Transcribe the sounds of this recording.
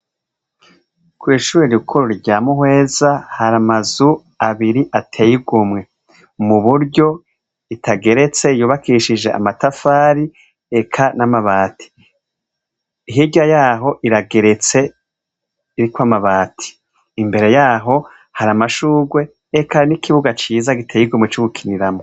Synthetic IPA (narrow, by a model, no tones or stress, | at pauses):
kwiːʃuːɾeɾukʰoɾoɾɟaːmuhwe̞ːzahaɾamazu | aβiɾiʔatʰejiɡumŋe̞ | muβuɾɟo̞ | itʰaɡe̞ɾe̞t͡se̞juːβakʰiʃid͡ʒe̞̰ʔa̰matafaːɾi | ekʰanamaβaːtʰi̥ | iɦiɟajaːɦo̞ʔiɾaɡe̞ɾe̞t͡se̞ | iɾikwamaβaːtʰi̥ | imbe̞ɾe̞jaːɦo̞ | haɾamaʃuːɡwe̞ | ekanikʰiβuɡat͡ʃiːzaɡitʰejiɡumŋet͡ʃuɡukʰiniɾamo